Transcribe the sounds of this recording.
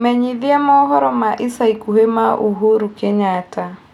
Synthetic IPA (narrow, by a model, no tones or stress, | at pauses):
mɛɲiðiamɔɦɔɾɔmaʔesaikuhemaʔoɦoɾukeɲata